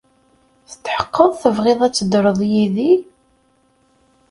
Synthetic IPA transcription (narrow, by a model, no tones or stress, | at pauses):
θə̥t̪ːħə̥qːəðˤθəvʁɪðˤæt͡sːəd̪ɾˤəðˤjiði